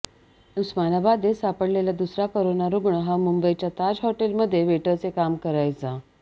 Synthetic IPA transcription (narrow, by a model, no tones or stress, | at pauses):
nuksmanabad̪esapəɽleljad̪usɾakoɾonaɾuɡɳəɦamumbəjt͡ɕjat̪ad͡zɦɔʈelməd̪ʱːjeʋeʈəɾt͡sekamkəɾajt͡sa